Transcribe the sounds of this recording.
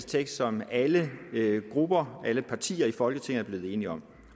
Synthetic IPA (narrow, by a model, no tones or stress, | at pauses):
st͡sʰeɡ̥sd̥sɒ̽mæləɡ̥ʁub̥ɐʔæləpʰɑ̈t͡sʰḭːɐifɒ̽lɡ̥ət͡sʰe̝ŋ̩ɐb̥le̝ːð̞̩ˠe̝ːniɒ̽m̰